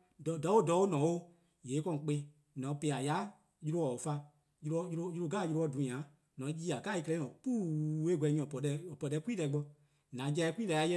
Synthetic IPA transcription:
dɔ˨dɔ˨˦o˦dɔ˨˦o˦nɔ̃˨˦wo˦ | jeː˨˦kɔ̃˧˨k͡pe˧˦ | nɔ̃˨˦pe˨˧˨a˨ja˨˦ | ju˧ɾo˧ɔ˨fa˧ | ju˧ɾɔ˦ju˧o˧ju˧ɾo˧ɡaː˦˨ju˧ɾo˧ɔ˧˦dũ˨˦ã˨˦ | nɔ̃˨˦jiː˦a˨kaː˦i˧kɛ˧lɛ̃˧˦˨ɔ̃˨k͡pu˦we˦ɡɛ˧˦ɲĩ˧˨ɔ˨pɔ˨dɛ˧˨pɔ˧˨dɛ˧˦kʷu˦iː˦lɛ˨˦ɡ͡bɔ˧ | nã˨˦d͡ʒɛ˧ɛ˧kiː˦lɛ˧˨ja˧˦jɛ˦

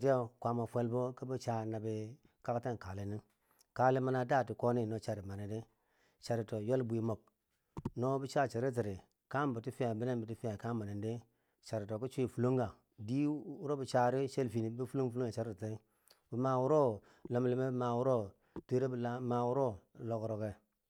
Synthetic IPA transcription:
ti˦o˦kʷa˨ma˨fe˦lbo˦ki˦bi˦t͡ʃa˨na˨bi˨ | ka˦ka˦te˦n˨ka˨li˨ni˦ | ka˨li˦ma˦na˨da˦˨ti˨ko˦ni˦no˦t͡ʃa˨ɾi˨ma˨ni˨de˦ | t͡ʃa˨ɾi˨to˨jo˦lbu˨i˨mo˨k̚ | no˦bi˦t͡ʃa˦˨t͡ʃa˨ɾe˦t̬i˨ɾi˨ | ka˦mbi˨ti˦fi˦a˨bi˦ne˦nbi˨ti˦fi˦a˨ka˦ma˨ni˨nde˦ | t͡ʃa˨ɾi˨to˨ki˦t͡ʃu˦i˨fu˨lo˦ŋɡa˨ | di˦u˦ɾo˦bi˨t͡ʃa˨ɾi˦t͡ʃe˦lfi˨ni˨˦bi˦fu˦lu˦fu˦lo˦ŋe˨t͡ʃa˦ɾi˦tte˦ | bi˨ma˨wu˦ɾo˦ | lo˨m˨li˨˦me˦bma˨wu˦ɾo˦ | te˦ɾe˦bla˦ma˨wu˦ɾo˦lo˨kɾo˨ke˨

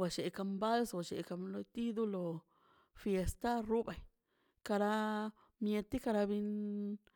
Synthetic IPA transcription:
wa˨t͡ʃe˨˧ka˧mba˦lswa˨t͡ʃḛ˨ʔka˧mlo˧t̪i˦d̪u˦lo˧ | fje˧st̪a˦ru˦ba˨j | ka˧ɾa˧ | mje˧t̪i˦ka˧ɾa˧βi˧n

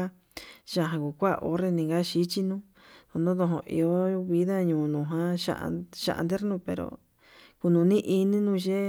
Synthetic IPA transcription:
a˦ | ʒa˧˨ɦã˧ku˨kʷa̰˦˧ʔo˨˦ɾe˧nĩ˨ɡa˦ʃi˦t͡ʃi˦nũ˦ | o˧˨nõ˦ðõ˧ɦõ̰˧ʔḭ˨˧o˦βi˧˦ða˦ɲũː˨nũ˨ɦã˦ʃa̰˧ʔʃa̰˧ʔa̰˧nd̪e˦ɾnũ˧pe˨ɾo̰˨ | ku˧nũ˨˧nĩ˦ʔi˧nĩ˦nũ˧ʒe˦

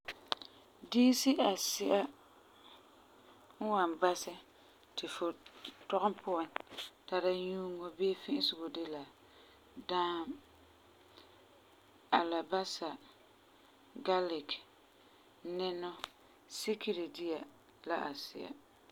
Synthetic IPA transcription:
diː˦si˦a˨sɪ˦ʔa˦ | ŋ̩˦wa˨mba˦sɪ˦ | tɪ˨fʊ˨tɔ˦ɣʊ˦mpʊ˦a˨nta˨ɾa˦ɲuː˦ŋo˦beː˦fɪ̃˦ʔɪ˦sʊ˨ɡo˨de˦la˨ | daː˦m | a˨la˨ba˦sa˨ | ɡa˦lɪ˨k | nɪ˦nɔ˦ | si˦ki˦ɾi˨di˦a˨ | la˦ʔa˨sɪ˦a̰˨

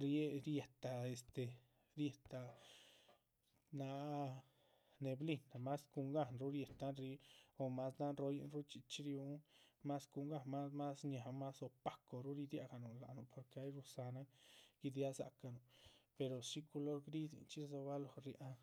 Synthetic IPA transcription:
ɾje˦ɾje˨t̪a˨e˧˨st̪e˨ | ɾje˧t̪a˨ | na˧ | ne˨˧bli˧na˨ma˦sku˧ŋɡa˦nɾu˦ɾje˨t̪a˦nɾi˧o˧ma˦sna˦nɾo˧˦jḭ˧˦nɾu˦t͡ʃi˧t͡ʃɾju˧˦ŋma˦sku˧ŋɡa˧˨ma˦ma˦sɲa˨ma˦so˧pa˧ko˨ɾu˦ɾi˧d̪ja̰˧ɡa˨nu˨la˨nu˨pʰo˨ɾke˧a˦jɾu˧sa˧na˦ɡ̥i˧d̪ja˦sa̰˨ka˧˨nu˨pe˧ɾo˨ʃi˦ku˧lo˦ɾɡɾi˦zḭ˨nt͡ʃi˦so˧ba˦lo˨ɾjʔa˦

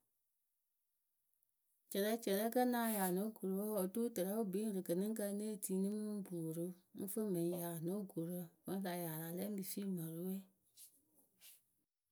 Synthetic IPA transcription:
t͡ʃɛ˨lɛ˦t͡ʃɛ˨lɛ˦kə˦nãː˨˦jaː˨nõ˨˦ɡo˨ɾo˨wɔ˦ɔ˨to˦tə˨ɾa˦o˦bi˨˦ɾɨ˨kə˨nɨ̃˦ŋ˦kə˧˦ne˦˨tiː˨˦nɨ̃˦mũ˦bu˨ɾɨ˦ŋ̩˦fə˦mɛ̃˨ĩ˦ja˨nõ˦ɡo˨ɾə˦mã˧˦a˨ja˨la˨lɛ˦bi˨si˦˨mã˨ɾo˦wɛ˦˨

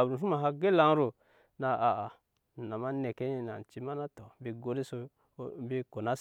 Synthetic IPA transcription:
a˨bɾu˨su˦ma˨ɦa˦ɡe˦la˨˦ŋ˦ɾo˨ | na˨a˨a˨ | na˨ma˦ne˨ke˦i˦na̰˨t͡ʃi˦ma˦na˦to˨˦bi˨ɡo˦ɾi˦so˦ | bi˦ko˨na˦

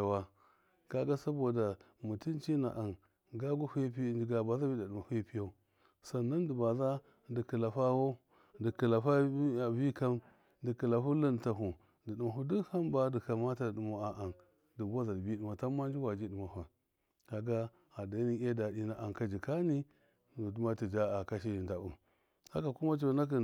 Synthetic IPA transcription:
a˨wa˦ | ka˦ɡa˦sa˦bo˨da˨ | mu˨ti˦nt͡ʃi˦na̰˨ʔa˨n | ɡa˦ɡu˦hi˦pi˦d͡ʒi˨˦ɡa˨ba˨za˦bi˦da˨ɗu˨ma˨hi˦pi˦ja˦u˦ | sa˨na˦n˦di˨ba˨za˦ | di˨ki˨la˨fa˦wo˦ | di˨ki˨la˨fa˦˨vi˦ka˦m | di˨ki˨la˨fu˦li˦n˨ta˨ɦu˨ | ndi˨ɗi˨ma˨ɦu˦du˦ha˦mba˦di˨ka˨ma˦ta˦˨du˨ma˨a˨a˨n | di˨ba˦za˨dbi˦di˨ma˨ta˦ma˦nd͡ʒi˦wa˨d͡ʒi˦di˨ma˨ɦu˨ | ka˨ɡa˦ | a˨da˨˦ni˦a˦da˨di˦na˨ʔa˨ŋ˨ka˦d͡ʒi˨ka˦ni˦ | u˨du˦ma˦ti˨d͡ʒa˦a˨ka˦ʃi˦˨nda˨u˨ | sa˦ka˨ku˦ma˦t͡ʃo˨˦na˦k̬i˨

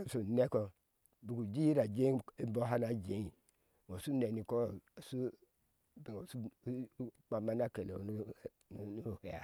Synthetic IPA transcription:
su˨ne˦ko˨ | bu˨ɡu˨d͡ʒi˦ji˦ɾa˨d͡ʒe˦i˦i˦bo˦ɦa˦na˦d͡ʒe˨˦i˨ | wo˨su˦ne˨ni˨ko˦˨su˦ | bi˨ŋo˨su˦ | k͡pa˨ma˦na˦ke˨lḛ˨n˦˨ | nu˦nu˦˨he˨ja̰˨

